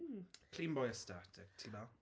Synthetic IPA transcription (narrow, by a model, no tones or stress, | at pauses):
kʰl̥ĩnbɔjəstatʰɪk̚tʰiba